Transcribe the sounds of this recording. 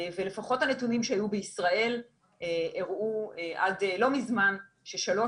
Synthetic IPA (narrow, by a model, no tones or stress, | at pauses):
vele̞faχo̞thanetunimʃehajubeisʁae̞l | eeʁueʔa̰dlo̞mizman | ʃe̞ʃalo̞